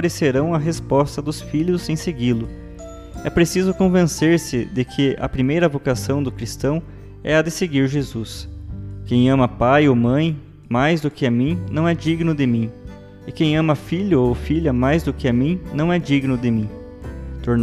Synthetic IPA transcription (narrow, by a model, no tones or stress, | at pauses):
ɾeseɾɐ̃w̃ɐɦespɔst̪ɐd̪ʊsfiʎʊzẽj̃seɡilʊ | ɛpɾesizʊkõvẽseɾsɪd̪ɪkʰɪɐ̰pɾimejɾɐvokasɐ̃w̃d̪ʊkɾist̪ɐ̃w̃ | ɛɐd̪ɪseɡiɾʒezuskẽj̃ɐ̃mɐpajomɐ̃j̃ | majzd̪ʊkɪɐmĩnɐ̃w̃ɛd͡ʒiɡnʊd̪ɪmĩ | ɪkẽj̃ɐ̃mɐfiʎʊowfiʎɐmajzd̪ʊkɪɐmĩnɐ̃w̃ɛd͡ʒiɡnʊd̪ɪmĩ | t̪oɾn